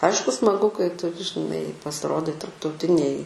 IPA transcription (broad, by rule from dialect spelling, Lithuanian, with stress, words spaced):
ˈɐɪʃkʊ smɐˈɡʊ kɐɪ ˈtʊ ʒʲɪˈnɐɪ pɐsʲɪˈroːdɐɪ tɐrptɐʊˈtʲɪnʲeːj